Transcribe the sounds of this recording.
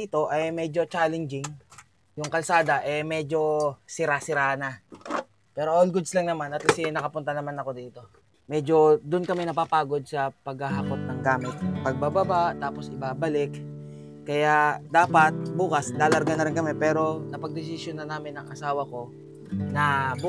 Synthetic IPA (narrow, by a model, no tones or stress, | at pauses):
it̪o̞ʔɐjmɛd͡ʒo̞t͡ʃaːlɛnd͡ʒɪŋ | jʊŋkɐlsaːd̪ɐʔɛmɛd͡ʒo̞sɪɾasɪɾaːna | pɛːɾoʔolɡʊd̪slɐŋnɐmanɐt̪lɐsɪnɐkɐpʊnt̪ɐnɐmanɐko̞d̪iːt̪o̞ | mɛd͡ʒo̞d̪ʊnkɐmɛnɐpapaːɡo̞d̪̚sɐpɐɡhɐɦɐkot̪̚nɐŋɡaːmɪt̪̚ɐpɐɡ̚babɐbat̪aːpo̞sɪbaːbɐlɪkː | ɐjad̪aːpɐt̪̚buːkɐslaːlɐɾɡanɐɾɪnkɐmɛpɛːɾo̞nɐpɐɡ̚d̪ɪs̬ɪsjonɐnaːmɪnɐŋʔɐsaːwɐko̞ | nɐ